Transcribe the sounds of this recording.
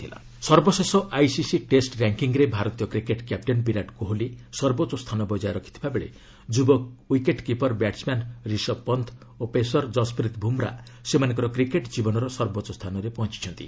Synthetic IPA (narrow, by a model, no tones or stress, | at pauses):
t̪ʰila̰ | sɔɾbɔsesɔʔajsisiʈesʈɾaŋkiŋɾebʱaɾɔt̪ijɔkɾikeʈkjap̚ʈenpiɾaʈkuɦolisɔɾbot͡ʃːɔst̪ʰanɔbɔd͡ʒajɾɔkʰit̪ʰibʱabeɭḛ | d͡ʒubɔwikeʈkipɔɾbaʈsmanɾisɔpɔnt̪ʰ | opesɔɾd͡ʒɔspɾit̪bʱumɾa̰semanɔ̃ŋkɔɾɔkɾikeʈd͡ʒibɔnɔɾɔsɔɾbotːɔst̪ʰanɔɾepɔɦɔ̃t͡ʃi̥t͡ʃʰɔnt̪ḭ